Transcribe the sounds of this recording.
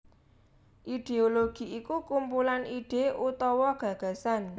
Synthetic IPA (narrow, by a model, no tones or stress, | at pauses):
ʔid̪̥eoloɡ̥i̤ikukumpulanʔiɖ̥eʔut̪ɔwɔɡ̥ä̤ɡ̥ä̤san